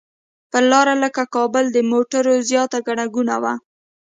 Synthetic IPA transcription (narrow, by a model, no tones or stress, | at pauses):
pəlɑɾaləkakɑbəld̪əmoʈaɾozjɑt̪aɡaɽaɡuna̰wa